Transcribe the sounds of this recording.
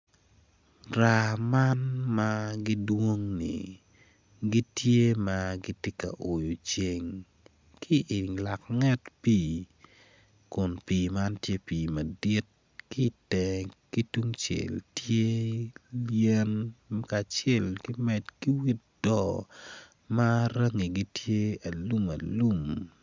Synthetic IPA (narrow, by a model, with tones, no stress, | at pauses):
ɾa˨ma˦nmaɡi˦dwo˦ŋnḭ˨ | ɡi˦tje˦maɡi˦te˦ka̰˨ʔo˨jo˨t͡ʃe˨ŋ | kʰɪ˦ʔɪ˨ŋla˨kŋɛ˦tpiː˨ | kʊ˨npiː˨ma˦ntje˦piː˨ma˨di˦t̚ | ki˦tɛ˨ki˦tu˦ŋt͡ʃḛ˨ltje˦ | ljɛ˦nka˨t͡ʃɛ˦˨lkɪ˦mɛ˨tki˦wi˦t̚ | d̥ɔ˨ | ma˦ɾɐ˦ŋi˨ɡi˦tje˦a˨lu˦ma˨lu˦m